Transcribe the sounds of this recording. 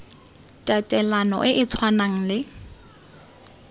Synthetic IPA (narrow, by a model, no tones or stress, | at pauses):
tʼatʼɛlanɔ̰ʔɪʔɪt͡sʰwanaŋ̩lɪ